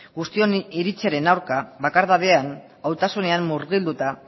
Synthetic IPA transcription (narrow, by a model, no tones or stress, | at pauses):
ɡust̪io̞niɾit͡seɾe̞nawɾkaβakaɾðaβe̞an | awt̪asune̞amːuɾɣild̪ut̪a